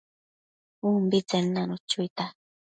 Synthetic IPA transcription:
umbit͡sennanot͡ʃʊjt̪a

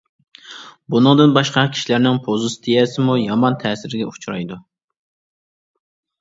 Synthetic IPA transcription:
bunɨŋd̪ɨnbɑʃqɑkʲʰi̥ʃilæɾnɪŋpʰozɨst̪ʰijɛsɪmujɑmɑnt̪ʰɛːsɪɾɪɡʲɛut͡ʃʰɾɑ̰jd̪u

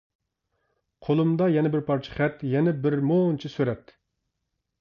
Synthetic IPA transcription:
qʰolˠumd̪ɑjɛnɛbɪɾpʰɑɾt͡ʃʰi̥χɛt̪jɛnɛbɪɾmont͡ʃʰisøɾɛt̪

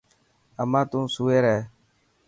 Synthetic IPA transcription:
əmãːt̪ũːsuːeːɾɛeː

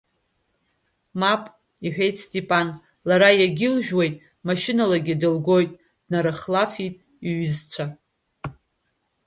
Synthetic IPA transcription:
mapʼ | iħᶣe̞jtʰʼstʼipʼan | laɾajaɡʲɪlʒʲᶣwe̞jtʼ | maʃɪnalaɡʲɪdɨlɡo̞jtʼ | dnaɾɨχlafitʼ | iɥʏzt͡ɕʷʰa

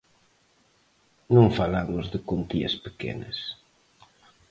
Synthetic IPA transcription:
nõŋfalamʊzðɪkont̪iɐ̰spekḛnɐ̰s

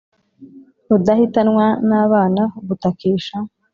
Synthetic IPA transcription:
hud̪ɐhit̪ɐnŋwaːnaːβaːnɐbut̪ɐkiːʃa

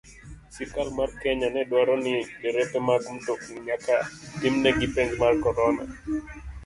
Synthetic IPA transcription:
sikalmarkɛɲanɛdwaɾɔniɛɾɛpɛmaɡm̩tokɲakatimnɛɡipeɲd͡ʒmarkɔɾɔna̰

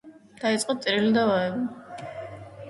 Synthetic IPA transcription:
d̪̥ait̪sʼqʼɔt̪sʼiɾilid̪avaɛbi

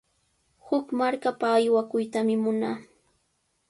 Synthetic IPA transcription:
hʊkmaɾkapaːjwakʊjt̪amɪmʊnaː

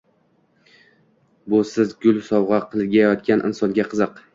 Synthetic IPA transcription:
bʊsɪzɡʊlˠsɒwʁɑqʰɨlˠɡʲajɒt̪̚kʲanʔɪ̰nsɒnɡʲaqʰɨzɨq

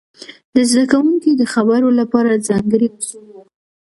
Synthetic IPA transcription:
d̪̥əzd̪akawuŋkid̪əxabaɾolapɑɾazɑŋɡəɾimazuwa

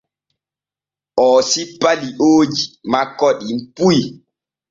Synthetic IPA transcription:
ʔɔːsipːaliʔoːd͡ʒimakːɔɗimpuj

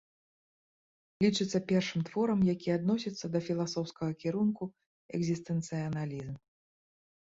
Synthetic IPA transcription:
lʲit͡ʂɨt̪sːɐpʲɛrʂɨmt̪vɔɾɐmjakʲiad̪nɔsʲit̪sːɐd̪ɐfʲilˠasɔwskɐɣɐkʲiɾunku | ɛ̰ɡzʲist̪ɨnt̪sɨɐnalʲizm

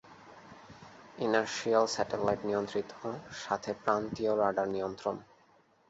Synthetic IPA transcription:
inaɾʃialsɛʈelajʈnijont̪ɾit̪ʰoʃat̪ʰepɾant̪ioɾaɖaɾnijont̪ɾon

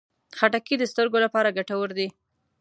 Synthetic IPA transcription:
xaʈakid̪əst̪əɾɡolapɑɾaɡaʈawəɾd̪i

